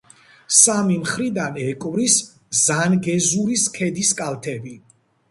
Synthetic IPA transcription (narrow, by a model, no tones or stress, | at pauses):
samimχɾid̪anɛkʼvɾis | zanɡɛzuɾiskʰɛd̪iskʼalt̪ʰɛbi